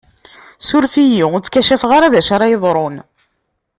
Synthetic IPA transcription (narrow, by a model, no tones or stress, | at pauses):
sʊɾfijit͡sːkæʃæfʁaɾaðæʃaɾajəðˤɾˤon